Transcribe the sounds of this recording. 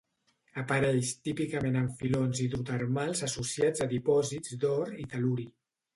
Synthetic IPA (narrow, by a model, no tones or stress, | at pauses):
əpaɾɛʃt̪ipikəmenəɱfilonziðɾut̪əɾmalˠzasusiazaðipɔzizd̪ɔɾit̪aluɾi